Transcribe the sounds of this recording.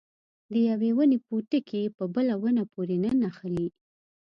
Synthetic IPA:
d̪əjawewənepoʈəkʰepəbəlawənapoɾenənaxəli

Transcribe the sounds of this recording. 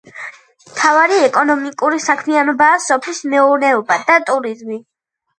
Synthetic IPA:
mt̪ʰavaɾiɛkʼɔnɔmikʼuɾisakʰmianɔbaːsɔpʰlismɛuɾnɛɔbad̪at̪ʼuɾizmi

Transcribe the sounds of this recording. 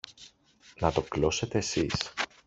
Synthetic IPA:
nɐt̪o̞klo̞se̞t̪e̞ːsis

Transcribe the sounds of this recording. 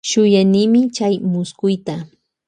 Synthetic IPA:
ʃʊjanɪmɪt͡ʃajmʊskʊjt̪a

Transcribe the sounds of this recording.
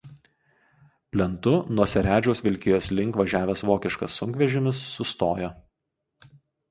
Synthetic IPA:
pʲlʲɛnt̪ʊnuɔsʲɛɾʲæːd͡ʒʲoːsʋʲɪlʲkʲɪjoːslʲɪŋˑkʋɐʒʲæːʋʲɛsʋoːkʲɪʃkɐsːʊŋʲkʋʲɛʒʲɪmʲɪsːʊst̪oːjo

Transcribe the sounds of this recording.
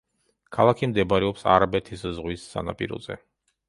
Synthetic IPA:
kʰalˠakʰimd̪ɛbɾɛɔpsa̰ɾabɛt̪ʰiszʁwisːa̰napʼiɾɔ̰zɛ̰

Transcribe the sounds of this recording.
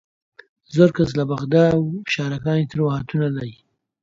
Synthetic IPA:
zəɾkas̬labaɣd̪ɑwʃɑɾakɑːnit̪əɾwahat̪unalaɾi

